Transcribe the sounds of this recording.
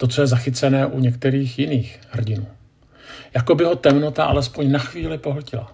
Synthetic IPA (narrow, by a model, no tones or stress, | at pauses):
t̪o̞t͡so̞jɛzaxɪt͡sɛnɛːʔuɲɛkt̪ɛɾiːxjɪniːxhr̩ɟɪnuː | jako̞bɪɦo̞t̪ɛmno̞t̪aʔa̰lɛspo̞ɲnaxviːlɪpo̞ɦl̩cɪla̰